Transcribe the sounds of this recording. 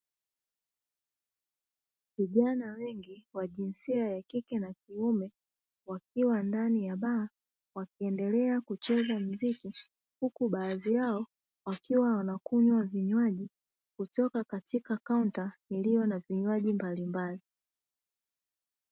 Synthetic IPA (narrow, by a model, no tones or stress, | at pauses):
viʄanawɛŋɡiwaʄinsiajakikɛnakiumɛ | wak̚iwandanijaɓaː | wakiɛndɛlɛakut͡ʃɛzam̩ziki | hukuɓaːziaɔ | wakiwawanakuɲwaviɲwaʄi | kutɔkakatikakauntailijɔnaviɲwaʄimbalimbali